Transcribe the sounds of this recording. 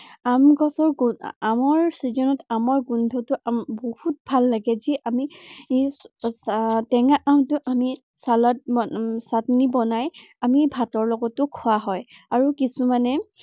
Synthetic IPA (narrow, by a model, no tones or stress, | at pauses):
amɡɔsɔɹɡamɔɹsizɔnɔtamɔɹɡundʱɔtʊambohut̚bʱalːaɡɛziʔamisstɛŋaʔãtʊʔami | salɔt̚satnibɔnaj | amibʱatɔɹlɔɡɔtʊkʰuwaɦɔjaɹukisumanɛ